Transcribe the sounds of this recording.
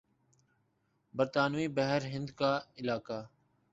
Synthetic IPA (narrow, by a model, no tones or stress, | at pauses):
bəɾt̪aːnʋiːbəɦəɾɦɪ̃nd̪kaːɪlaːkaː